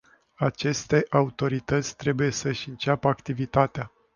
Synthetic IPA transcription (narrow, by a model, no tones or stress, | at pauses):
at͡ʃe̞st̪e̞ʔaut̪o̞ɾit̪ət̪sʲt̪ɾe̞buje̞səɨʃʲɨnt͡ʃapəakt̪ivit̪at̪ea